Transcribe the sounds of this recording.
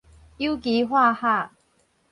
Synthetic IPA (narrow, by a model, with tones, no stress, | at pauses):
i˦˥˦wki˨˦ɦwa˥˧ha˥˧˨